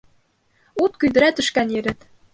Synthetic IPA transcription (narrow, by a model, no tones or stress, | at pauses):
ut̪kyd̪ɘ̆ɾæt̪ɘ̆ʃkænjɘ̆ɾɘ̆t̪